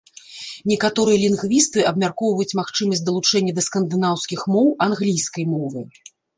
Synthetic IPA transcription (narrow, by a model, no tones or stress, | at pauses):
nʲɛkat̪ɔɾɨjɐlʲinɣvʲist̪ɨɐbmʲarkɔwvɐjut͡sʲmaxt͡ʂɨmɐsʲtʲd̪ɐlˠut͡ʂɛnʲːɐd̪ɐskɐnd̪ɨnawskʲixmɔwanɣlʲijskɐjmɔvɨ